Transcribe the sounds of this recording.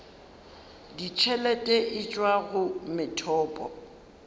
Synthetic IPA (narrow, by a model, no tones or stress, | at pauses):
dit͡ʃʰɛlɛtʼɛʔɪt͡ʃʼwaɣʊmɪtʰɔːpʼɔ̰